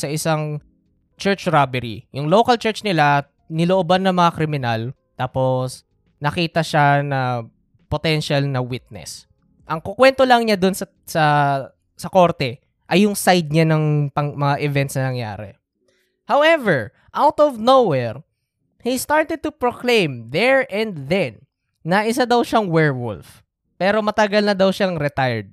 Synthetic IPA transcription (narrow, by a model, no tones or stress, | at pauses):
sɐʔɪsaŋ | t͡ʃɛɹt͡ʃɹabɛɾḭjʊŋlokɐlt͡ʃɛɹt͡ʃnɪla | nɪloʔobanːɐmɐŋakɾɪmɪnal | t̪aːpos | nɐkiːt̪ɐʃanɐ | pot̪ɛnʃalnɐwit̪̚nɛ̰s | ʔɐŋkokwɛnt̪olɐŋɲad̪onsɐ | sɐ | sɐko̞ɾt̪ɛ | ʔɐjʊŋsajd̪̚ɲanɐŋpɐŋmɐŋaʔɪvɛnt̪snɐnɐŋja̰ːɾɛ̰ | hawɛvɛɹ | ʔawt̪ɔvnowɛɹ | hist̪aɹt̪ɛd̪̚t̪ʊpɹoklẽjmðɛɹʔɛ̃nd̪ðɛnː | ɐʔɪs̬ad̪ɐwʃaŋwɛɹwʊ̰lf | pɛːɾo̞mɐt̪ɐɡalnɐd̪ɐwʃaŋɾɛt̪ajɛɹd̪̚